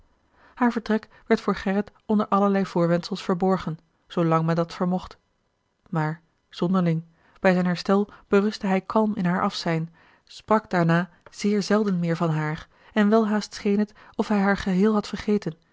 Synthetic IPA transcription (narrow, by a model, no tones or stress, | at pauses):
haːɹvəɹtʁɛk | ʋɛɹtfʊːɹχɛʁətɔndəɹʔɑləɹlɛjvʊːɹʋɛntsəlˠsfəɹbɔɹχən | z̥owlɑŋmɛndɑtfəɹmɔχt | maːɹ | z̥ɔndəɹlɪŋ | b̥ɛjzɛjnɦɛɹstɛlˠb̥əʁɵstəɦɛjkʰɑlˠmɪnɦaːɹʔɑfsɛjn | sprɑkd̥aːɹnaː | z̥ɪːɹzɛlˠdənmɪːɹvɑnɦaːɹ | ɛnʋɛlˠɦaːstsχejnɦət | ɔfɦɛjɦaːɹχəɦɪːlˠɦɑtfəɹχeːjtən